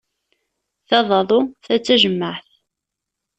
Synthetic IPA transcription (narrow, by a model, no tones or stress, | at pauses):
θɑðˤɑðˤʊθæt͡sːæʒəmːəʕθ